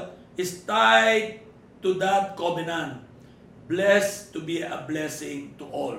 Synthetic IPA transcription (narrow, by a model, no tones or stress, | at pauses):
ɪst̪ajd̚ | t̪ud̪at̪̚kɔbɪnãnt̪ | blɛst̪ubiɐ̰blɛsɪ̃ŋt̪uʔɔl